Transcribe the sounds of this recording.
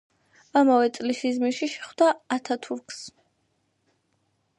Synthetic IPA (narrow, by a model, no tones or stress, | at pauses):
amavɛt̪sʼlisizmiʃiʃɛχwd̪aːt̪ʰat̪ʰuɾkʰs